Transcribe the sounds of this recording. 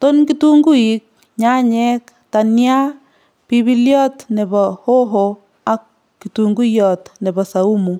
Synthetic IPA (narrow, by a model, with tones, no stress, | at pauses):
to˦nkituŋɡu˦ik̚ | ɲa˦ɲɛ˦k | tanja˦ | pi˦bi˦ljɔ˦tne˨bɔho˦ɦo | akː | ituŋɡu˦jɔt̪ne˨bɔ˨sa˨u˦mu